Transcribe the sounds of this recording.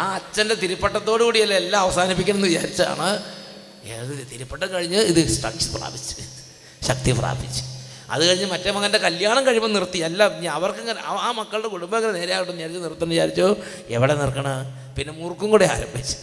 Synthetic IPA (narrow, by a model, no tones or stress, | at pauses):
aːɐt͡ɕːɐndet̪iɾupːɐʈːɐt̪ːo̞ːɽɨkuːɽiɐlːɐelːaɐʋɐsaːnipːikʲːɐnɐenːɨʋit͡ɕa̰ːɾit͡ɕːɨa̰ːɳɨ | ḛðt̪iɾupːɐʈːɐkɐɻiɲːɨiðɨsʈrɐ̰k̚t͡ɕɨ̥pra̰ːbit͡ɕːɨ̥ | ɕɐk̚t̪ipra̰ːbit͡ɕːɨ̥ | ɐ̰ðɨkɐɻiɲːɨmɐtːemɐkːɐlnde̞kɐljaːɳɐmkɐɻimɐmnirt̪ːiɐlːaiɲaɐʋɐrkɨŋːɐnɐaːmɐkːɐɭɨɽe̞kuɽumbɐeŋːɐnene̞ːɾejaːɣiʈːunːit͡ɕaːɾit͡ɕːɨnirt̪ːɐnːɐʋit͡ɕaːɾit͡ɕːoː | eʋiɽe̞nirkːɐɳɐ | pinːe̞murkːuŋkuːɽea̰ːɾɐ̰mbʱit͡ɕːɨ̥